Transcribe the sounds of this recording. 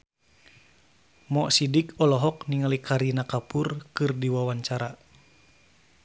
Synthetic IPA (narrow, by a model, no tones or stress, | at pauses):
mɔʔsidikɔlɔɦɔkniŋalikʰaɾinakapurkɨrdiwawaɲt͡ʃaɾa